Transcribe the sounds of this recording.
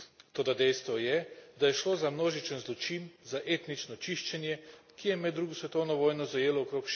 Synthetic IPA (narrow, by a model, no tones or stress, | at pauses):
t̪oːd̪ad̪ɛjst̪ʋɔjɛd̪ajɛʃloːzamnoːʒit͡ʃənzlɔt͡ʃinzaʔeːt̪nit͡ʃnɔt͡ʃiʃt͡ʃɛnjɛkijɛmɛd̪ːɾuːɡusʋɛt̪ownɔʋoːjnɔzajeːlɔokɾoːkʃ